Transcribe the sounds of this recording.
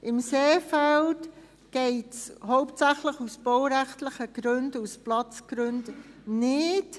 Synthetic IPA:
ʔɪmseːfɛlt | ɡ̥ɛɪtshoʊptsæχləχusb̥owɾɛχtlɪχəɡ̥ɾʉndusplɑt͡sɡ̥ɾʏndnɪt

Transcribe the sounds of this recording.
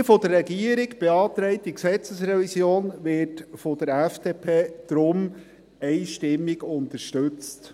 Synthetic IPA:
fɔdəɾːɛɡiəɾɪɡb̥eɑːt̪ɾɛɪtiksɛt͡səsɾɛvisjoːnʋɪtfɔd̥̪əɾɛfd̥eːpʰeːd̪̥ɾʊm | ɛɪʃtɪmːiɡʊntəɾʃtøt͡st

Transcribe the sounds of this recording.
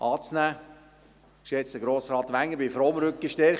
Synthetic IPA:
ʔɑːt͡snæː | ɪʃjɛt͡sd̥̪əɡɾoːsɾɑːt̪ʋæŋːəbɪfɾɔːmɾʏkːəʃtɛɾχ

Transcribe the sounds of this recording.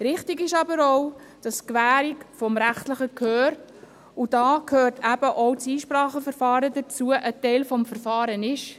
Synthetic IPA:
ɾɪχtiɡɪʃɑbəɾoʊ | d̥ɑskʋæːɾikfɔmɾæχtləχəkʰøːɾ | ʊdɑːkʰhøːrtʰæb̥əʔɔwt͡siːʃpɾɑːχəfəɾfɑːɾədət͡suəʔətɛɪlfɔmfəɾfɑːɾənɪʃ

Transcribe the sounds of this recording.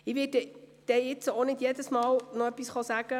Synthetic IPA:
ɪʋɪːɛd̥ɛjɪt͡sonɪdjedəsmɑːlnɔœpːisχɑsæːɡ̥ə

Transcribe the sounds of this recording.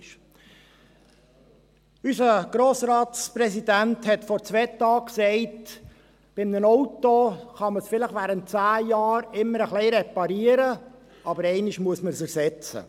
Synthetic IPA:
ʃ | ysəɡ̥ɾoːsɾɑːtspɾɛsidænthɛtfɔɾt͡sʋɛːtːɑːksɛɪt | b̥ɪmnənɔʊtoχɑməsfɪləχʋæːɾənt̚t͡sæːjɑːɾɪmːəɾəχlɛɪɾɛpɑɾiəɾə | ɑbəɾɛɪnɪʃmuəsməɾsɛɾsɛt͡sə̰

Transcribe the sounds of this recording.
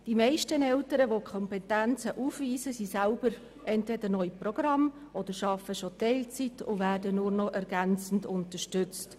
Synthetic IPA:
d̥imɛɪʃtənɛltəɾəʋokʰɔmpɛtænt͡səʔuːfʋiːsəsisælb̥əɾ | ʔɛntvɛdəɾnɔʏjprɔɡ̥ɾɑm | ʔɔd̥̪əɾʃɑfəʃot̪ɛɪlt͡sitʊvæːrdənʊɾnɔʔɛɾɡ̥ænt͡sn̩dʊntəʃtʏt͡st

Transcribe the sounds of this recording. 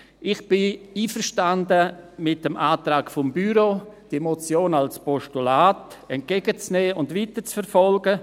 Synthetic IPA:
ʔɪχb̥ɪiːfəɾʃtandəmɪt̚əmʔaːtɾaːkfʊmbyɾod̥imot͡sjoːnalspɔʃtulaːtɛnt̚ɡ̥eːɡət͡snɛːʊndʋiːtət͡sfɛɾfɔlɡə

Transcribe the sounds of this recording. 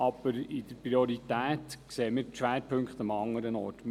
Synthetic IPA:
ɑb̥əɾɪd̥əɾpriɔɾit̪æːt̪kseːmɪːʃʋæːɾpʰɵŋkχt̪ɑmɑŋːəɾənɔ̰ːɾtm

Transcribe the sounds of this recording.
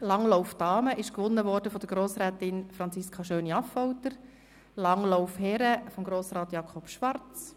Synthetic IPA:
lɑŋlɔʊfd̥ɑːməɪʃkʋʊnːəʋɔɾd̥əfɔd̥əɾɡ̥ɾoːsɾɛːt̪ɪnfɾɑnt͡sɪskʰɑʃøːniɑfɔʊtəɾ | lɑŋloʊfhɛɾəfɔmɡɾoːsɾɑːt̪jɑkʰɔpʃʋɑrt͡s

